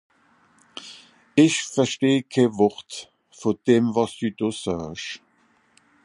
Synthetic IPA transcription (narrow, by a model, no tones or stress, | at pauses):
ɪçfɛʃteːkʰeːvɔʁt | foːd̥eːmvɑsd̥yːdoːsœːʃ